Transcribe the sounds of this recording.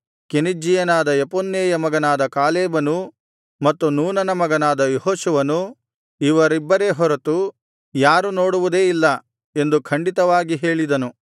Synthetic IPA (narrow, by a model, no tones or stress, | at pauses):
kenid͡ʒːijɐnaːd̪ɐjɐponːeːjɐmɐɡɐnaːd̪ɐkaːleːbɐnu | mɐt̪ːunuːnɐnɐmɐɡɐnaːd̪ɐjoɦoːʃuʋɐnu | iʋɐɾibːɐɾe̞ɦɔɾɐt̪u | jaːɾuno̞ːɽuʋud̪e̞ːilːɐ | e̞nd̪ukʰɐɳɖit̪ɐʋaːɡiɦe̞ːɭid̪ɐnu